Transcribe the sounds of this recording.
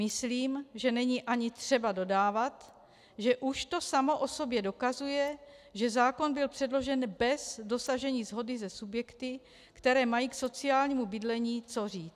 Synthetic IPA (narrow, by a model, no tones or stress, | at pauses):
mɪsliːmʒɛnɛɲiːʔaɲɪt̪r̥ɛbado̞daːvat̪ | ʒɛʔuʃt̪o̞samo̞ʔo̞so̞bjɛdo̞kazujɛʒɛzaːko̞nbɪlpr̥ɛdlo̞ʒɛnbɛzdo̞saʒɛɲiːzɦo̞dɪzɛsubjɛkt̪ɪ | kt̪ɛɾɛːmajiːkso̞t͡sɪaːlɲiːmubɪdlɛɲiːt͡so̞riːt͡s